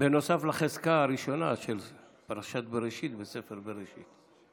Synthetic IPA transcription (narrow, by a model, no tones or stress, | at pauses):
beno̞saflaχezkaːɾiʃo̞naʃel | paɾaʃat̪̚beɾeʃit̪besefeɾbeʁeʃit̪